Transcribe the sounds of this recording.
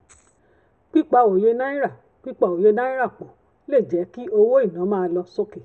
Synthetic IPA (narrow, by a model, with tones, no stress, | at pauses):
k͡pi˦k͡pa˧o˨je˧nã˦i˦ɾa˦˨ | k͡pi˦k͡pa˧˨o˨je˧nã˦i˦ɾa˦˨k͡po˨ | le˦˨d͡ʒɛ˨˦ki˦o˧wo˦i˦˨nã˨˦mãː˦˧lɔ˧so˦ke˨